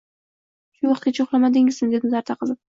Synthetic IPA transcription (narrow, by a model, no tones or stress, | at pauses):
ʃʊwɑχqt̪̚kʲat͡ʃʰoχlˠamad̪ɪŋɪzmɪd̪e̞d̪ɪmzaɾt̪ʰaqʰɨlˠd̪ɪ